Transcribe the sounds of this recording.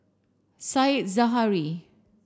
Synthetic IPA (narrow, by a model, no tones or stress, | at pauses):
sajt̚zaɦaɾi